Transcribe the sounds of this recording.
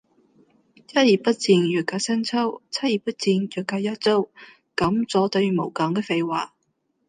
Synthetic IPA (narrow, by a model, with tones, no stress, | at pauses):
jɐ˥t̚jiː˨˩pɐ˥t̚t͡siː˧njœː˨kaː˧sɐ˥nt͡sʰɐ˥wt͡sʰɐ˥t̚jiː˨˩pɐ˥t̚t͡siː˧njœː˨˩kaː˧jɐ˥t̚t͡so˥w | kɐ˨˥mt͡sɔː˨˥t̪ɵ˧ɥmo˨˩wkɐ˨˥ŋkɛː˧fe˧jwaː˨˩